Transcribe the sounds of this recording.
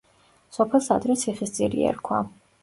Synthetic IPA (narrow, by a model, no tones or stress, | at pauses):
sɔpʰɛlˠsad̪ɾɛt̪sʰiχist̪sʼiɾḭɛ̰ɾkʰwa̰